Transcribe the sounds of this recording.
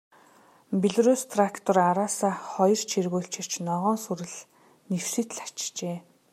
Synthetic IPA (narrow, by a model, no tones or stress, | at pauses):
piɮruːst̪ʰrakt̪ʰɔraɾaːsaːχɔjɞr̥t͡ɕʰirɣoːɬt͡ɕɪ̆r̥t͡ɕnɔʁɔːnsuɾɘ̆ɮ | new̥sɘ̆t̪ɮḁt͡ɕt͡ɕeː